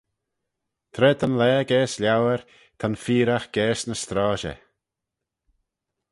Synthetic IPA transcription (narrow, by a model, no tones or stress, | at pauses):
t̪ʰɾɛːt̪ʰanlɛːɡɛːsljawəɾ | t̪ʰanfiːɾaxɡ̥ɛːsnəst̪ɾaːʃɛ̰